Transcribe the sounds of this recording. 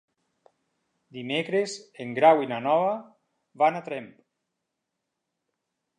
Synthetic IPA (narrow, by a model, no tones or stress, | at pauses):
d̪imekɾezeŋɡɾawinanɔβa | βanat̪ɾɛmp